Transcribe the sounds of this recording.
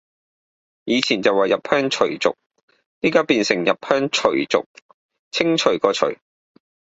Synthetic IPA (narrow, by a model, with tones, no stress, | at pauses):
jiː˨˧t͡sʰiː˨˩nt͡sɐ˨wɐ˨jɐ˨p̚hœː˥ŋt͡ʃʰɵ˨˩ɥt͡sʊ̰˨k̚ | niː˥kaː˥wpiː˨˧nsɪ˨˩ŋjɐ˨p̚hœː˥ŋt͡ʃʰɵ˨˩ɥt͡sʊ̰˨k̚ | t͡sʰɪ˥ŋt͡ʃʰɵ˨˩ɥkɔː˧t͡ʃʰɵ̰˨˩ɥ